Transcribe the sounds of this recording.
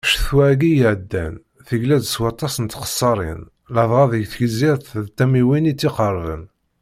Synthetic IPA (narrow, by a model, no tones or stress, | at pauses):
ʃθwæʕɡijʕd̪ːæ̰n | θəɡlæd̪əswɑt̪ˤːɑsənt̪qə̥sˤːɑɾˤḭn | ləðˤʁɑðəjθçəziɾt̪ðt̪ːæmiwinit͡sːiqəɾˤvə̰n